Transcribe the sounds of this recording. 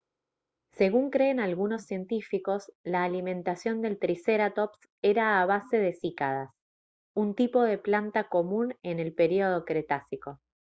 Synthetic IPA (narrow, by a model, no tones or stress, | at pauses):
se̞ɣuŋkɾe̞ːnalɣuno̞sːje̞nt̪ifiko̞slaːlimẽ̞nt̪asjo̞nd̪e̞lt̪ɾiseɾat̪ops | eɾaːβ̞ase̞ðe̞sikaðas | unt̪ipo̞ð̞e̞plant̪ako̞mũnene̞lpe̞ɾio̞ð̞o̞kɾet̪asiko̞